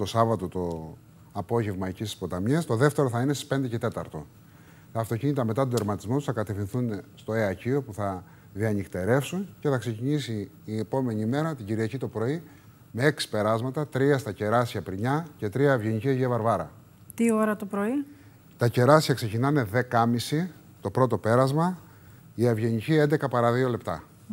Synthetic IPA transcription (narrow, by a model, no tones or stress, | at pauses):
t̪o̞sɐvɐt̪o̞t̪o̞ | ɐpo̞ʝe̞vmɐicisispo̞t̪ɐmiɐst̪o̞ðe̞ft̪e̞ɾo̞θɐinesi̥spe̞nd̪e̞ce̞t̪e̞t̪ɐ̰ɾt̪o̞̰ | t̪ɐːft̪o̞ciɲit̪ɐme̞t̪ɐt̪od̪eɾmɐt̪izmo̞t̪usθɐkɐt̪e̞fθĩnθunst̪o̞eɐcio̞puθɐ | ðiɐnikt̪e̞ɾe̞fsunce̞θɐkse̞ciɲisiː | epo̞me̞ɲiːme̞ɾɐt̪iɟiɾiɐcit̪o̞pɾo̞i | me̞e̞ksi̥pe̞ɾɐzmɐt̪ɐt̪ɾiɐst̪ɐce̞ɾɐsiɐpɾiɲɐce̞t̪ɾiɐːvʝe̞ɲicieʝevɐɾvɐɾɐ̰ | t̪io̞ɾɐt̪opɾo̞i | t̪ɐce̞ɾɐsiçɐkse̞cinɐne̞ðe̞kɐmisi | t̪o̞pɾo̞t̪o̞pe̞ɾɐzmɐ | iɐvʝe̞ɲicie̞nd̪ekɐpɐɾɐðio̞le̞pt̪ɐ̰